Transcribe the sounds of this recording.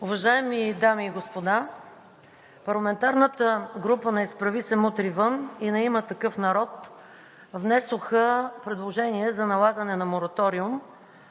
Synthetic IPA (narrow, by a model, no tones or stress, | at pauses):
ʊvɐʒaɛmid̪amiːɡospod̪a | pɐɾlˠɐmɛnt̪aɾnət̪əɡɾupənɐispɾɐvisɛmut̪ɾivɤninɛimət̪ɐkɤfnɐɾɔt̪ | vnɛsoxəpɾɛd̪lˠoʒɛniɛzɐnɐlˠaɡənɛnɐmoɾɐt̪ɔɾiʊm